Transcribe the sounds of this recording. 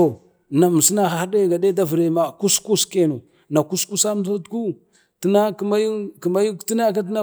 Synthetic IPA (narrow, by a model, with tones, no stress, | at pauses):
o˨ | na˨mu˨si˦na˦xa˨xa˦de˦˨ɡa˨de˦da˦və˨ɾe˨ma˨ku˦sku˦ske˦˨no˨ | na˨ku˦sku˦sa˦m˦da˦tku˦ | tə˦na˦kma˦ju˦ki˨ma˦ju˦kti˦na˦ka˦t̬i˦na˦